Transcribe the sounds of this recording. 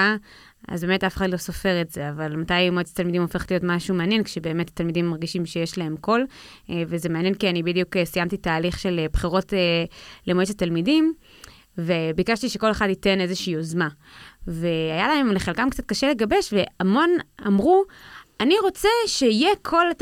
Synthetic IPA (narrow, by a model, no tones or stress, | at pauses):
a | a̰zbemetafeχadlo̞sofe̞ʁetzeavalmatajmoet͡sḁtalmidimofeχlijotmaʃumeanjenkʃebe̞ːme̞tḁtalmidimːaʁɡiʃimʃejeʃlae̞mko̞l | vezemeanjenkianibidijukesijamtitaːliχʃelebχiʁo̞telemoet͡satalmidim | vebikaʃtiʃeko̞le̞χadite̞ne̞zeʃiːozma | ve̞ajalae̞mleχelkamkt͡sat̚kaʃele̞ɡabe̞ʃve̞amo̞namʁuaniʁo̞t͡seʃeijekʰo̞lat